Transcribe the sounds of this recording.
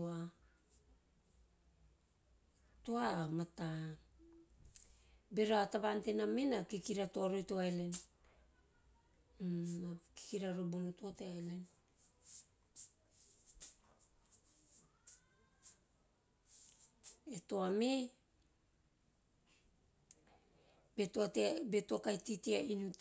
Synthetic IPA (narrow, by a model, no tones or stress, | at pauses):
a | toamata | be̞ɾoataβantenamenakikiɾatoaɾojtoaelen | aki̥kiɾaɾobunutoteaelen | eto̞ame | betoatebe̞tokajtitiainut